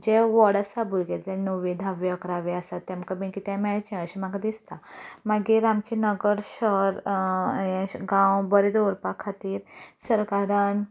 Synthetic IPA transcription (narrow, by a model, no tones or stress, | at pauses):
d͡ʑeʋɔɽasabulɡed͡zenoʋĩd̪ʱaʋeəkɾaʋeəsat̪ːɛ̃mkabĩkit̪ɛ̃mɛɭt͡ɕĩəɕimaɡad̪ist̪amaɡiɾamt͡ɕinəɡəɾɕəɾ | ɛ̃ɡãwbəɾed̪oɾpakʰat̪iːɾsəɾkaɾan